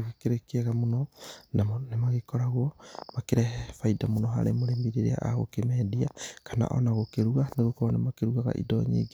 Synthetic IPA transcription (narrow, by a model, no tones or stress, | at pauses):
ɣekeɾekeɣamunonamonemaɣekɔɾaɣuomakeɾɛfajdamunoɦa̰ɾemoɾembiɾeɾea̰ʔaɣo̰kemɛdiakana̰ʔo̰naɣokeɾuɣaneɣokonemakeɾuɣaɣa̰ʔḭdɔ̰ɲḭɡ